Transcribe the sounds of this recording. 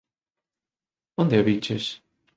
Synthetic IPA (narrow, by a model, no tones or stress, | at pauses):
ond̪eaβit͡ʃes